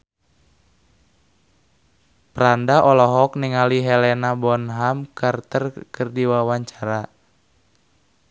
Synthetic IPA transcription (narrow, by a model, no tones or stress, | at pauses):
pɾandaʔɔlɔɦɔk̚niŋaliɦɛlɛnabɔnɦamkʰart̪ərkərdiwawaɲt͡ʃaɾa